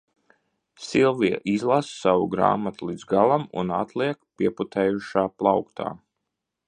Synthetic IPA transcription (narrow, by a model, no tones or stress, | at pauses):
silˠvia̰ʔizlˠassawuɡɾa̰ːmat̪ulˠid̪zɡalˠamṵnat̪liɛkpiɛput̪ɛːjuʃaːplˠawkt̪a̰ː